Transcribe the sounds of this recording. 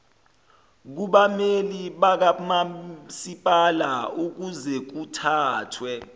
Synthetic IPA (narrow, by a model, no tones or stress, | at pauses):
k̬uɓameliɓak̬amasipʼalauk̬uzɛk̬utʰaːtʰwɛ